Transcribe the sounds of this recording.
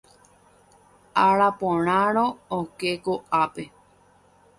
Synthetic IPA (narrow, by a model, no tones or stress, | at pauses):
aɾapõɾ̃ãɾ̃õokekoʔape